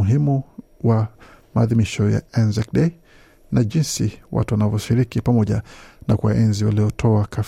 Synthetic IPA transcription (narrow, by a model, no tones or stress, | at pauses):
uɦimuwa | maːðimiʃɔja̰ɛnzɛkɗei | naʄinsiwa̰tuwanavɔʃiɾikipamɔʄanakwaʔɛnziwalijɔtʰɔakʰaf